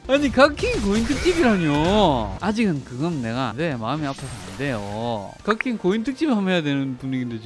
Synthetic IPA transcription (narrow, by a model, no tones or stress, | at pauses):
aɲikakʰiŋk̬ointʰɯk̚t͡ɕ͈ibiɾaɲoad͡ʑiɡɯnkɯɡʌnːe̞ɡa̰nde̞maɯmiapʰasʰnde̞jo̰kakʰiŋkointʰɯk̚t͡ɕ͈ibhamɦejadwe̞nɯnpuɲiɡinded͡ʑ